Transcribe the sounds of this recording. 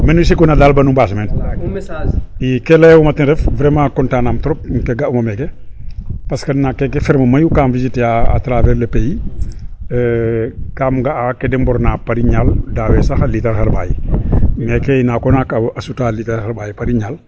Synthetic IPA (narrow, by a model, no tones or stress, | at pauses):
menus̬ikunalaːlbɐnumbas̬mɛn | ikelewumɐtinɾɛfvɾɛmãkɔntaːnamtɾɔp̚ŋkeɡaʔumɐmɛke | pɐskɐdnakekefɛɾmɐmɐjukaːmvizitjaa̰tɾaːvɛɾlepeji | kaːmɡaakedɛmbɔɾnaːpaɾiɲaldaːwɛsaxaliteɾxaɾba̰ːjiŋekeinaːkɔnakaasutaːliteɾhaɾbaːjipaɾiɲaːl